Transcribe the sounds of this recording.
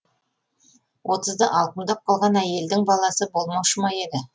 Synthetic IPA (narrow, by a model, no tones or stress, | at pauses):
wʔo̞t̪əzd̪əʔɑlˠqəmd̪ɑp̚qʰɑlˠʁɑnæje̞ld̪ɪŋbɑlˠɑsəbo̞lˠmɑwʃəmɑje̞d̪ɪ